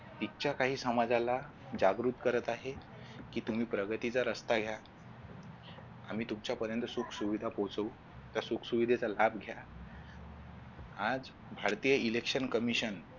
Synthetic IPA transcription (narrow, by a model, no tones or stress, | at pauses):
t̪it͡ɕjakaɦiːsəmad͡zala | d͡ʑaɡɾut̪kəɾət̪aɦe | kiːt̪um̤iːpɾəɡət̪it͡saɾəst̪aɡʱja | a̰m̤iːt̪umt͡ɕjapəɾjənt̪əsukʰsuʋid̪ʱapot͡səu | t̪jasukʰsuʋid̪ʱet͡salabɡʱja | ad͡z | bʱaɾt̪ijəilekʂənkəmiɕən